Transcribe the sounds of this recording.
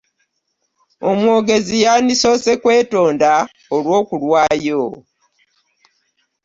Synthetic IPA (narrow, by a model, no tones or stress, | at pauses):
omwo̞ːɡe̞zijaniso̞ːse̞kwe̞ːto̞ːnda | olwo̞ːkulwaːjo